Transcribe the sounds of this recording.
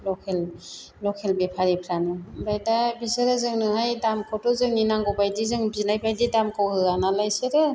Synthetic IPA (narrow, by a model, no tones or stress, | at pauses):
lɔkʰel | lɔkʰelbepʰaɾipʰɾanɯbajdabisɯɾɯzɯŋnɯhajdamkʰɔtɔzɯŋninaŋɡɔbajdizɯŋbiznajbʰajdidamkʰɔwhɯanalajsɯɾɯ